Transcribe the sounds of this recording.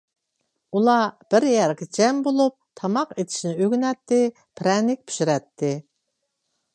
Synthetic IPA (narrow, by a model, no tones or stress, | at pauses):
ulˠɑb̥ɪɾjɛɾkʲɪd͡ʒɛmbolˠup̚t̪ʰɑmɑqet̪ʰɪ̥ʃnɪøɡʲynɛt̪ːɪ | pʰɾɛnɪk̚ʲpʰy̥ʃiɾɛt̪ʰːɪ